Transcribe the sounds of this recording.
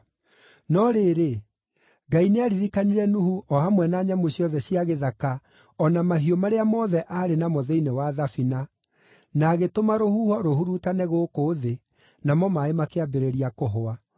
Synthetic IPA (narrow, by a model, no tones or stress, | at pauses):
nɔɾeːɾe | ɡaineaɾiɾikaniɾɛnuhuɔhamwɛnaːɲamoɕjɔðɛɕiaɣeðaka | ɔnamaɦiɔmaɾeamɔðɛʔaːɾenamoðɛinewaðafina | naːɣetomaɾohuhɔɾohuɾutanɛɣoːkoðe | namɔmaemakeabeɾeɾiakoɦoa